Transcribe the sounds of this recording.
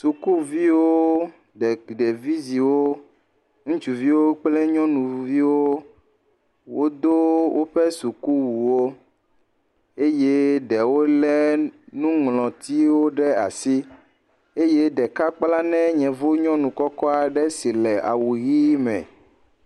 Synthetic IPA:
su˨ku˦vi˦wo˦ | ɖɛ˨ɖe˨vi˦zi˨wo˦ | ŋũ˦t͡ʃu˨vi˦wo˦k͡plɛ˦ɲɔ̃˦nũ˨vi˦wo˦ | wo˦d̪o˦wʔo˦ɸɛ˦su˨ku˦wu˨wo˦ | e˦je˦ɖɛ˨wo˦lɛ˦nũ˦ŋlɔ̃˨t̪i˦wo˦ɖɛ˦a̰˨si˦ | e˦je˦ɖɛ˨ka˦k͡pla˦nɛ̃˦ɲɛ̃˨vo˦ɲɔ̃˦nũ˨kɔ˦kɔ˦a˨ɖɛ˦si˨lɛ˨a̰˨wu˨ɣi˦mɛ̰̃˨

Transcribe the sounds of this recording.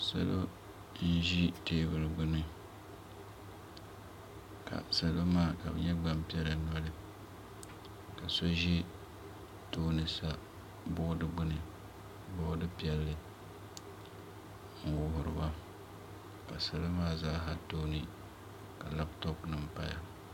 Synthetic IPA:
sa̰˨lo˦ | n̩˦ʒi˦teː˦bɨ˨ɾɨ˨ɡ͡bʊ˦nɨ˦ | ka̰˨sa˨lo˦maː˦˨ka̰˨bɨ̰˨ɲɛ˦ɡ͡ba˦mpi˦ɛ˦la˨nɔ˦lɨ˦ | ka˨so˦ʒɛ˦ | toː˦nɨ˨sa˦ | bʊ˦dɨ˦ɡ͡bɨ˦nɨ˨ | bʊ˦dɨ˦pi˦ɛ˦lːɨ˦ | ŋ̩˨wʊ˨ɦʊ˨ɾɨ̰˨ba˦ | ka˨sɨ˨la˦maː˦zaː˦ɦa˦toː˦nɨ˨ | ka˨la˦ptɔ˦knɨ˨mpa̰˦˨ja̰˨

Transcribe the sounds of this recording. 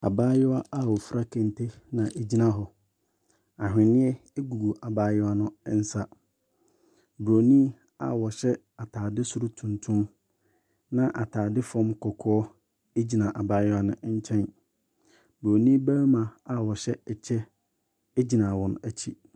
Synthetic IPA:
a̰˨baː˦jʊ˦a˦ʔa˦˨wɔ˨fɾa˦kʰɛ̃˨n˨tʰe˦nã˨ʔe˨d͡ʑi˦nã˨ɦɔ˨ | a˨ɦᶣɪ̃˨nɪ̃˦ɛ˦e˦ɡu˨ɡu˨ʔa˨baː˦jʊ˦a˦nʊ̃˦n̩˦sa˦ | bɾo˨nĩ˦ | a̰˨wɔ˨ɕɛ˦ | a˨tʰaː˨dɪ˦sʊ˦ɾʊ˦tʰũ˨ntʰũ˦m | nã˦ʔa˨tʰaː˨dɪ˦fɔ̃˦mkʰɔ˨kʰɔː˦ɔ˦ | e˦d͡ʑi˨nã˨ʔa˨baː˦jʊ˦a˦nʊ̰̃˦ɲ̩˦t͡ɕʰɛ̃˦n | bɾo˨nĩ˦bæ˦mã˨a˨wɔ˨ɕɛ˦ɛ˨t͡ɕʰɛ˦ | e˦d͡ʑi˨nã˨wɔ̃˨næ˨t͡ɕʰi˦

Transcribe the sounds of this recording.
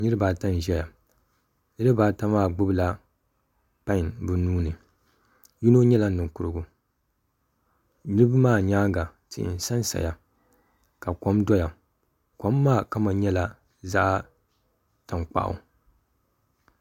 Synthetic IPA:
nɨ˦ɾɨ˦baː˨ta˦n˨ʒɛ˦ja˨ | nɨ˦ɾɨ˦baː˨ta˦maː˦˨ɡ͡bʊ˦bɨ˦la˦ | pa˦ɲbɨ˨nuː˦nɨ˨ | ju˦no˦ɲɛ˦la˦nɨ˨ŋkʊ˨ɾɨ˦ɡu˨ | nɨ˦bɨ˦maː˦˨ɲaː˦ŋ˦ɡa˨ | tḭ˨ʔn˨sa˦nsa̰˨ja˨ | ka˨ko˦mdɔ˦ja˨ | ko˨˦mːaː˦˨ka˦ma˨ɲɛ˦la˦ | za˦ʔ | ta˨ŋk͡pa̰˦˨ʔʊ̰˨

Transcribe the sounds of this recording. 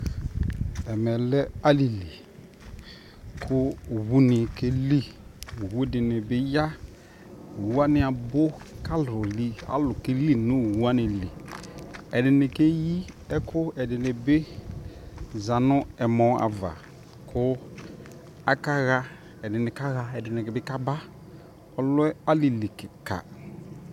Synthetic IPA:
ɛ˨mɛ˨lɛ˦a˦li˨li˨ | kʰʊ˦˨wu˦nɪ˨ke˦li˦˨wu˦ɛ˨dɪ˨nɪ˨bɪ˦ja˦˨ | wu˦a˦nɪ˨a˨bʊ˦ka˦lʊ˨li˦a̰˨˦lʊ˨ke˦li˦nʊ̃˦˨wu˦a˦nɪ˨li˨ | ɛ˨dɪ˨nɪ˨ke˦ji˦ | ɛ˦kʰʊ˦ɛ˨dɪ˨ne˨bɪ˦ | za˨nʊ˦ɛ˨mɔ˦a̰˨va̰˨ | kʰʊ˦ | a˨ka˦ɣa˦ | ɛ˨dɪ˨nɪ˨ka˦ɣa˦ɛ˨dɪ˨nɛ˨kɛ˦bɪ˦ka˦ba˦ | ɔ˦lʊ˦ɛ˦a˦li˨li˨kɪ˨ka̰˨

